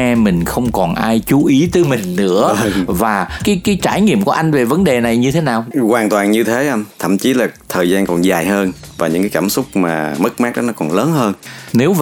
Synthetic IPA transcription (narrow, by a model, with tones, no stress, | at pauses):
ɛ˧mï˨˩ŋ̟xə˧wŋ͡mkɔ˨˩nʔaː˧jt͡ɕu˨˦ʔi˨˦t̪əː˨˦jmï˨˩ŋ̟nɨ̰˧˥əvaː˨˩kaː˨˦jkaː˨˦jt͡ɕaː˧˩jŋḭ˧˨əmku˧˩əʔa˧jŋ̟ve˨˩və˨˦nɗe˨˩na˨˩jɲɨ˧t̪ʰe˨˦naː˨˩wkwaː˨˩nt̪waː˨˩nɲɨ˧t̪ʰe˨˦ʔa˧mt̪ʰə̰˧˩˨mt͡ɕi˨˦laː˨˩t̪ʰəː˨˩jzaː˧nkɔ˨˩nzaː˨˩jɦəː˧n | vaː˨˩ɲɨ̰˧˥ŋkaː˨˦jkaː˧˩msʊ˦˥k͡p̚maː˨˩mə˦˥k̚maː˦˥k̚ɗɔ˨˦nɔ˨˦kɔ˨˩nləː˨˦nhəː˧nne˨˦wv